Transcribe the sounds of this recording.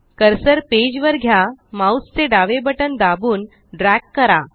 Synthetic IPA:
kəɾsəɾped͡ʑʋəɾɡʱjamaust͡seɖaʋebəʈənd̪abuːn | ɖɾɛkːəɾa

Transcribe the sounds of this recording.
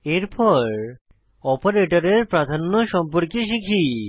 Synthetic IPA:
eɾpʰɔɾ | ɔpoɾeʈoɾeɾpɾad̪ʱanːoʃɔmpoɾkiʃ̬ikʰi

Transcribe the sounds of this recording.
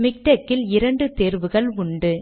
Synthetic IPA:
mɪk̚ʈɐkːɪlɪɾɐɳɖɯt̪eːɾʋɯɣɐɭʊɳɖɯ

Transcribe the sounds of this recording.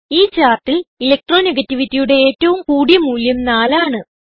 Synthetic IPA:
iːt͡ɕaːrt̪ililek̚ʈro̞ːneɡɐtːiʋitːijuɽe̞eːtːɐʋumkuːɽijɐmuːljɐmnaːlaːɳɨ

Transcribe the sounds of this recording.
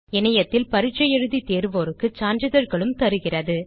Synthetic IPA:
ɛnɐjɐt̪ːɪlpɐɾɪt͡ʃːɐjɛɻɯðit̪eːɾʋoːɾɯkːɯt͡ʃaːnd͡ʒɐðɐɾɣɐɭɯmt̪ɐɾɯɣɪrɐðɯ

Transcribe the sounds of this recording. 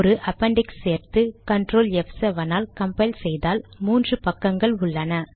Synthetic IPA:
ɾɯʔɐpːɐɳɖɪksseːɾt̪ɯkɐɳʈɾoːlɛfsɐʋɐnaːlkɐmpɐɪlsɛjðaːlmuːndrɯpɐkːɐŋɡɐɭʊɭːɐnɐ

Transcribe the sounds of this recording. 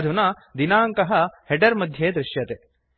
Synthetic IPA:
d̪ʱunɐ | d̪inaːŋkɐɦɐ̆heʈɐɾmɐd̪ʱjeːd̪ɾɪʃjɐt̪e

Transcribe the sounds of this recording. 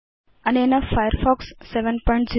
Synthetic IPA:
ɐnenəfajəɾfɔksːeʋə̃npɔ̃ɪ̃ɳʈzi

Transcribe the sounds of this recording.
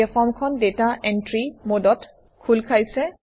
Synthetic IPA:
ɛfʰɔmkʰɔndetaʔɛntɹimodɔt | kʰulkʰajsɛ

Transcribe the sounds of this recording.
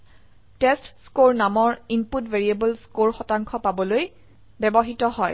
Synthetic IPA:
tɛstskoɹnamɔɹimputveɹiebəlskoɹxɔtaŋkʰɔpabɔloj | bɛbɔɦitɔɦɔj

